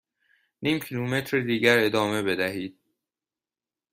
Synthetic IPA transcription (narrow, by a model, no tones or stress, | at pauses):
niːmcʰilume̞t̪ʰɾed̪iːɟæɾe̞d̪ɒːme̞be̞d̪æɦiːd̪̥̚